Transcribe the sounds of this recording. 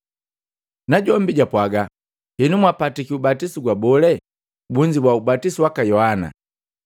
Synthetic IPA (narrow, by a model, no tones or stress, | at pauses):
naɟɔmbiɟapwaɡa | hinumwapatikiubatisiɡwabɔlɛ | buɲd͡ʒibwaubatisiwakajɔhana̰